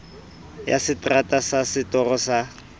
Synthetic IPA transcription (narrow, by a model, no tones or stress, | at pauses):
ja̰sɪtʼratʼasasɪtɔrɔsa